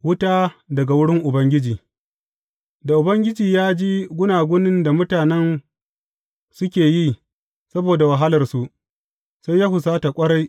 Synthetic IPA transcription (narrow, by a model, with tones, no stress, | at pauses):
wʊ˦taː˦dɐ˨ɡa˨wʊ˦ɽɪ˦ŋʔʊ˨bɐ˦ŋɡʲɪ˦d͡ʒiː˨ | da˨ʔʊ˨bɐ˦ŋɡʲɪ˦d͡ʒiː˨jaː˦d͡ʒiː˦ɡʷʊ˦naː˨ɡʷʊ˦nɪ˦nda˨mʊ˦taː˨nɛ˦n | sʊ˦kʲeː˨ji˦ | sɐ˦boː˨da˨wa˨ɦa˦lɐ˨rsu˨ʔ | sa˦jaː˦hʊ˨saː˦ta˨kʷʼɐ˦ɽa˦j